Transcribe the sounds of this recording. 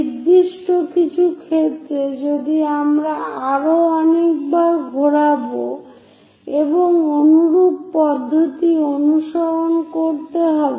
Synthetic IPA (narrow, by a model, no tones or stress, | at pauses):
iɾd̪iʃʈokit͡ɕʰukʰet͡ɕʰed͡ʑod̪iamɾaaɾoɔnek̚baɾɡʱoɾabo | eboŋonuɾuɡ̚pɔd̪ʱːot̪ionuʃɔɾonkoɾt̪eɦɔbe